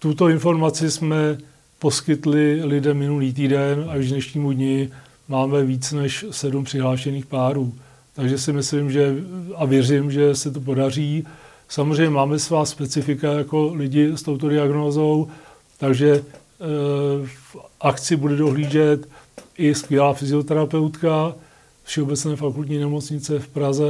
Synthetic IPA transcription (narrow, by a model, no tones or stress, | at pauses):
t̪ut̪o̞ɪnfo̞ɾmat͡sɪsmɛ | poskɪt̪lɪlɪdɛmːɪnuliːt̪̬iːdɛnaʒɡnɛʃɲiːmudɲɪ | maːmɛviːt͡snɛʃsɛdumpr̥ɪɦlaːʃɛniːxpaːɾuː | t̪aɡʒɛsɪmɪslɪmʒɛavjɛrɪmʒɛsɛt̪̬o̞p̬o̞dar̝iː | samozr̝ɛjɲɛmaːmɛsvaːspɛt͡sɪfɪkajako̞lɪɟɪst̪o̞wt̪o̞dɪaɡno̞ːzo̞w | t̪aɡʒɛ | fʔakt͡sɪbudɛdo̞ɦliːʒɛt̪ʔɪskvjɛlaːfɪzɪo̞t̪ɛɾapɛwt̪ka | fʃɛo̞bɛt͡snɛːfakult̪ɲiːnɛmo̞t͡sɲɪt͡sɛfpɾazɛ